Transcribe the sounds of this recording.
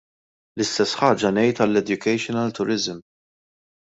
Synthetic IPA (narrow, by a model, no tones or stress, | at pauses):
lɪst̪ɛsːħɐːd͡ʒɐnɛjt̪ɐlːɛd̪jʊkɛjʃɔnɐlt̪ʊɾɪzm